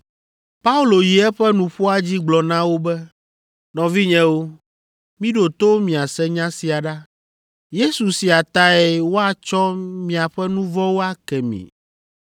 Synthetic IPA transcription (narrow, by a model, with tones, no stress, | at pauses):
pa˦u˦lo˨ji˨ɛ˦ɸɛ˦nũ˨ɸo˦a˦d͡ʑi˦ɡ͡blɔ˨nã˦wo˦bɛ˦ | nɔ̃˨vi˦ɲɛ̃˦wo˦ | mĩ˦ɖo˨t̪o˦mĩ˨a˨sɛ˦ɲã˦si˨a˨ɖa˦ | je˦su˨si˨a˨t̪a˦ɛ˨wo˦a˨t͡ʃɔ˦mĩ˦a˨ɸɛ˦nũ˦vɔ˦wo˦a˦kɛ˨mḭ̃˨